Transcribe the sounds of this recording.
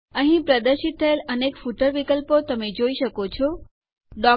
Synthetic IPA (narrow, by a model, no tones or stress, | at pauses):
əɦĩpɾəd̪əɾʃit̪ʰːəelənekfuʈəɾʋikəlpot̪əmed͡ʒoiʃəkot͡ʃʰo | ɖɔ